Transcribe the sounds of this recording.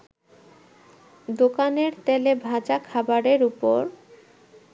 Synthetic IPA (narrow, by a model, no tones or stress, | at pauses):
d̪okaneɾt̪elebʱad͡ʑakʰabaɾeɾupoɾ